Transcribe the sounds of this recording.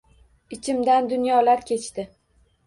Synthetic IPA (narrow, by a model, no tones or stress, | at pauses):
ɪt͡ʃʰɪmd̪and̪ʊnjɒlaɾkʲʰe̞t͡ʃʰt̪ɪ